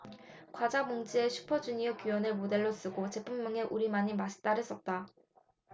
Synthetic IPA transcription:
kwad͡ʑamoŋd͡ʑ͈ie̞ɕʰu̥pʰʌd͡ʑuɲiokjuwʌnɯɭmode̞ɭːos͈ɯɡot͡ɕe̞pʰumːʌŋe̞ʔuɾimaɲimaɕʰi̥t͈aɾes͈ʌt̚t͈a

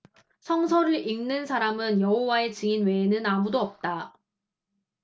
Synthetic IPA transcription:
sʰʌŋsʰʌɾɯɾiŋnɯnsʰaɾamɯnjʌɦowae̞t͡ɕɯinwe̞ːnɯnamudoʌp̚t͈a

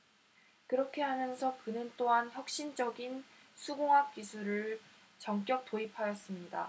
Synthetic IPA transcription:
kɯɾʌkʰe̞ɦamjʌnsʰʌkɯnɯnt͈oɦançjʌk̚ɕ͈ind͡ʑʌɡin | sʰuɡoŋɦak̚k͈isʰuɾɯɭ | t͡ɕʌŋk͈jʌk̚t͈oipʰajʌs͈ɯmɲida̰

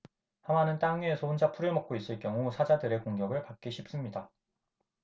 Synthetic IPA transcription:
hamanɯnt͈aŋe̞sʰoɯnd͡ʑapʰuɾɯmʌk̚k͈ois͈ɯɭkjʌŋusʰad͡ʑadɯɾe̞koŋɡjʌɡɯɭpak̚k͈iɕʰip̚s͈ɯmɲida

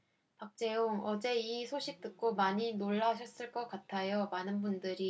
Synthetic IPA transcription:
pak̚t͡ɕ͈e̞oŋʌd͡ʑe̞isʰoɕʰik̚t͈ɯk̚k͈omaɲinoɭːaɕʰʌs͈ɯɭk͈ʌk͈atʰajomanɯnbundɯɾi

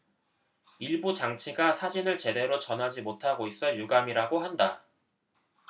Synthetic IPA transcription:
iɭbut͡ɕaŋt͡ɕʰiɡasʰad͡ʑinɯɭt͡ɕe̞de̞ɾot͡ɕʌnɦad͡ʑimotʰaɡois͈ʌjuɡamiɾaɡoɦanda

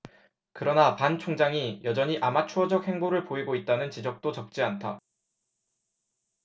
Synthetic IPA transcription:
kɯɾʌnapant͡ɕʰoŋd͡ʑaŋijʌd͡ʑʌɲiʔamat͡ɕʰuʌd͡ʑʌk̚he̞ŋboɾɯɭpoiɡoit̚t͈anɯnt͡ɕid͡ʑʌk̚t͈ot͡ɕʌp̚t͡ɕ͈iantʰa

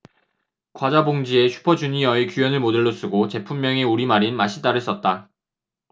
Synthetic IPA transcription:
kwad͡ʑaboŋd͡ʑie̞ɕʰu̥pʰʌd͡ʑuɲiʌikjujʌnɯɭmodɯɭːos͈ɯɡot͡ɕe̞pʰumːjʌŋeuɾimaɾinmaɕʰitaɾɯɭs͈ʌt̚t͈a

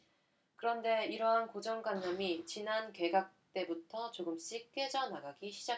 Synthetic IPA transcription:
kɯɾʌnde̞iɾʌɦankod͡ʑʌŋɡwanːamit͡ɕinanke̞ɡak̚t͈e̞butʰʌt͡ɕoɡɯmɕ͈ik͈e̞d͡ʑʌnaɡaɡiɕʰid͡ʑa

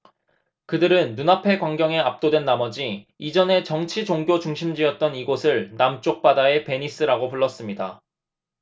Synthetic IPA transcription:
kɯdɯɾɯnːunapʰe̞kwaŋɡjʌŋe̞ap̚t͈odwe̞nːamʌd͡ʑiid͡ʑʌne̞t͡ɕʌŋt͡ɕʰid͡ʑoŋɡjot͡ɕuŋɕʰimd͡ʑiʌt̚t͈ʌniɡosʰɯɭnamt͡ɕ͈ok̚p͈adae̞pe̞ɲis͈ɯɾaɡopuɭːʌs͈ɯmɲida

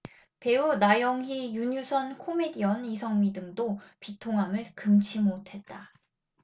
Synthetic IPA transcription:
pe̞unajʌŋɦijuɲusʰʌnkʰome̞diʌnisʰʌŋmidɯŋdopitʰoŋɦamɯɭkɯmt͡ɕʰimotʰe̞t̚t͈a

